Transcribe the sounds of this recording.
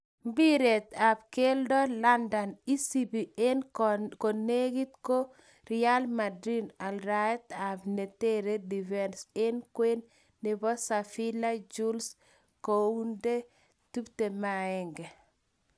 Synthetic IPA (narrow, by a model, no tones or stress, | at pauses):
mbiɾet̪ab̚keldɔlandanisibienkoneɡit̪ko | ɾialmadɾinalɾaɛt̪abnɛteɾedivɛnsenkwenː | ibɔsafilad͡ʒuls | kounde | tubtemaɛŋɡɛ